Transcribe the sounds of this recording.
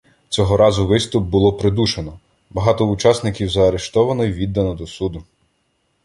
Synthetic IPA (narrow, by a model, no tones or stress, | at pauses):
t͡sʲɔɦɔɾɑzʊʋɪst̪ʊp̚bʊlˠɔpɾed̪uʃenɔ | bɐɦɑt̪ɔut͡ʃɑsnɪkʲiwzɐːɾeʃt̪ɔʋɐnɔjʋʲid̪ːɐnɔd̪ɔsud̪ʊ